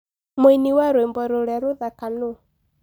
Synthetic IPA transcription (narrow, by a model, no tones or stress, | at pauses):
moiniwaɾwembɔɾoɾɛɾoðakano